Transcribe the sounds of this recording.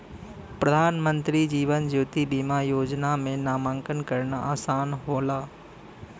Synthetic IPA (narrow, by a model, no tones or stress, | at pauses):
pɾəd̪ʱaːnmə̃nt̪ɾid͡ʒiːʋənd͡ʒuːt̪ibiːmajoːd͡ʒnamẽnaːmãːŋkənkəɾnaʔaːsaːnɦoːlaː